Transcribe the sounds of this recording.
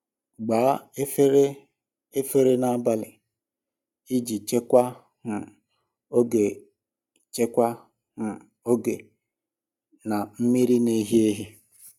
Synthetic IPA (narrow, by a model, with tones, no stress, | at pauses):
ɡ͡baː˨˦ɾ | e˦fe˦ɾe˦na˦a˦ba˦lɪ˨ | i˦d͡ʒi˨t͡ʃe˦kʷa˦ | hʊ˨ | o˦ɡe˨ | t͡ʃe˦kʷa˦ | hʊ˨ | o˦ɡe˨ | na˨m̩˦mi˦ɾi˦ne˦ɦi˦e˦ɦi˦